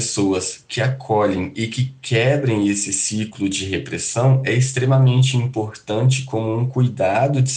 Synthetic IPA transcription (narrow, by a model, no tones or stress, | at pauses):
soɐskɪakʰɔʎẽj̃ɪkɪkʰɛbɾẽj̃esɪsiklʊd͡ʒɪɦepɾesɐ̃w̃ɛɪst̪ɾemɐmẽnt͡ʃɪĩmpoɾt̪ɐ̃nt͡ʃɪ̥kõmʊũkujd̪ad̪ʊd͡ʒɪ